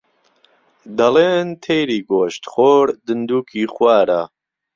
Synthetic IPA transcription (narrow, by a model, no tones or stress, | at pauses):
d̪ɐleːnt̪ʰejɾiːɡoːʃt̪χoːɾd̪ɨnd̪uːkʰiːχwaːɾa